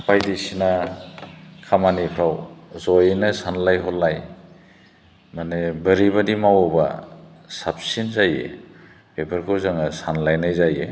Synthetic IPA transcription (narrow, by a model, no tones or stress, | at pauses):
pʰajdisina | kʰamanipʰɾawzɔjnɯsanlajɦɔlːaj | manebəɾibadimawɔba̰ | sap̚sinzajḛ | bepʰaɾkʰɯwzaŋasanlajnajzaje